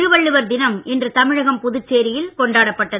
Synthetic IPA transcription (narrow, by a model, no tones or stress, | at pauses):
ɾɯʋɐɭːɯʋɐɾd̪ɪnɐmɛndrɯt̪ɐmɪɻɐɣɐmpʊðɯt͡ʃːeːɾɪjɪlkɔɳɖaːɽɐpːɐʈːɐðɯ